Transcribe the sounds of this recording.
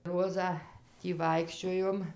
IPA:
ˈroːzɑː ˈtʲiː ˈʋɐɪkʃʲt͡ʃʲoːjoːm

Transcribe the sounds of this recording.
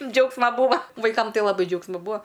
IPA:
ˈd͡ʒʲɛʊksmɐ ˈbuːʋɐ ʋɐɪˈkɐm ˈtɐɪ lˠɐˈbɐɪ ˈd͡ʒʲɛʊksmɐ ˈbʊɐ

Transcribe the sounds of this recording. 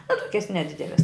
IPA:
ɐ ˈtoːkʲɛs nʲɛˈdʲɪdʲɛlʲɛs

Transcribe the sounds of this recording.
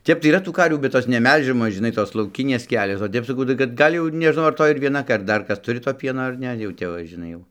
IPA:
ˈtʲɛp tɐɪ iːˈrɐ tuː ˈkɐrʲʋʲuː bʲɛt ˈjoːs nʲɛˈmʲɛlʲʒʲɛmoːs ʒʲɪˈnɐɪ ˈtoːs lˠɐʊˈkʲɪnʲeːs ˈkʲæːlʲoːs oː ˈtʲɛp sɐˈkɐʊ tɐɪ kɐt ˈɡɐlʲ jɛʊ ɪr nʲɛʒˈnɐʊ ɐr ˈtoːj ɪr ʋʲiɛˈnɐ ɐr ˈdɐr ˈkɐs ˈtʊrʲɪ toː ˈpʲiɛnoː ɐr ˈnʲɛ jɛʊ ˈtʲɛp ʋɐ ʒʲɪˈnɐɪ jɛʊ

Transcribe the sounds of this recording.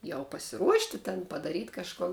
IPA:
jɛʊ pɐsʲɪˈruɔʃʲtʲɪ tʲɛn pɐdɐˈrʲiːtʲ kɐʃˈkʊn

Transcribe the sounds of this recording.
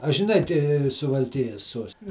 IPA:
ɐ ʒʲɪˈnɐɪ tʲɪ sʊʋɐlʲˈkʲɪjɛs ˈsuɔsʲtʲɪ

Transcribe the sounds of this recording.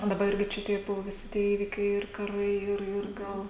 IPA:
dɐˈbɐ ˈɪrʲɡʲɪ t͡ʃʲɛ ˈtʲiɛ ˈbʊʋoː ˈʋʲɪsʲɪ ˈiːʋʲɪkʲɛɪ ɪr kɐˈrɐɪ ˈɪr ɪr ˈɡɐlˠ

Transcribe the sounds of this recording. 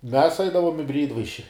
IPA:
mʲɛs ˈɐɪdɐʋoːm ɪ ˈbʲrʲiːɪdʋɐɪʃʲɪ

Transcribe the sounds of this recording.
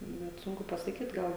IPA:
nʲɛt ˈsʊŋkʊ pɐsɐˈkʲiːt ˈɡɐlˠ

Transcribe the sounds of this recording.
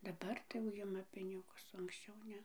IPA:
dɐˈbɐr tɐɪ jɛʊ ˈjɪmɐ ˈpʲɪnʲɪɡʊs oː ɐŋksʲˈt͡ʃʲɛʊ ˈnʲɛ

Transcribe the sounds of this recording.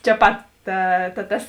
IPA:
t͡ʃʲɛ ˈpɐt ˈtɐ tɐ ˈtɐs

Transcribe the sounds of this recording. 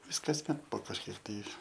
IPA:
ˈʋʲɪs kɐsʲˈmʲɛt poː kɐʃʲˈkʲiɛk tɐɪ

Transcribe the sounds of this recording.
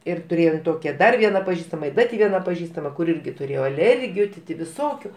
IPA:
ɪr tʊˈrʲeːjoːm ˈtoːkʲɛ ˈdɐr ˈʋʲiɛnɐ pɐˈʒʲiːstɐmɐ ɪ ˈdɐ tʲɪ ˈʋʲiɛnɐ pɐˈʒʲiːstɐmɐ kʊr ˈɪrʲɡʲɪ tʊˈrʲeːjoː ɐˈlʲɛrʲɡʲɪjʊ tʲɪ ˈtʲɪ ʋʲɪˈsoːkʲʊ

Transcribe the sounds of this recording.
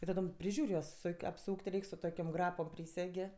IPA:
ɪ tɐˈdoːm pʲrʲɪˈʒʲuːrʲ ˈjuɔs ˈsʊkʲ ɐpˈsuːkʲtʲ ˈrʲɛɪkʲ sʊ ˈtoːkʲoːm ˈɡrɑːpoːm ˈpʲrʲiːsʲɛɡʲeː

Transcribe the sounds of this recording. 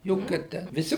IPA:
ˈjoːkʲɛ ˈtʲæː ʋʲɪˈsʲɪ

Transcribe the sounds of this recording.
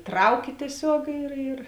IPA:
ˈtrɐʊkʲɪ tʲiɛˈsʲoːk ɪr ɪr

